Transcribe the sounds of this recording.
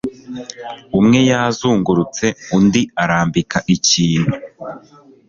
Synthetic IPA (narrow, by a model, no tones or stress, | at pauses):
umŋe̞jazuːŋɡuɾut͡se̞undiaɾaːmbikaʔiciːne